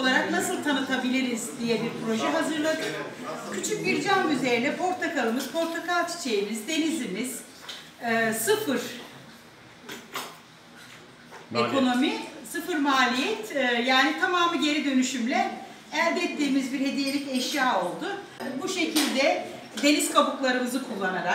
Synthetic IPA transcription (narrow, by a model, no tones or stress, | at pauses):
olˠaɾaknasɯlˠt̪ʰanɯt̪ʰabilʲiɾizd̪ijɛbiɾpɾo̞ʒɛɦazɯɾlˠad̪ɯjcʰyt͡ʃʰyc̚biɾd͡ʒanyze̞ɾinɛpʰo̞ɾt̪ʰakalˠɯmɯz̥pʰo̞ɾt̪ʰakalˠt͡ʃʰi̥t͡ʃʰejimizd̪e̞nizimiz̥ː | sɯfɯɾ̥ | ekʰo̞no̞misɯfɯɾmaːlʲijɛt̪ʰːjaːnit̪ʰamaːmɯɟe̞ɾid̪ø̞nyʃymlʲɛ | ælʲd̪ɛt̪ːiːmizbiɾhe̞d̪ijelʲicɛʃjaːo̞lˠd̪ʊ | buʃe̞cʰilʲd̪ɛ | d̪e̞niz̥kʰabuklˠaɾɯmɯzɯkʰulˠːanaɾak̚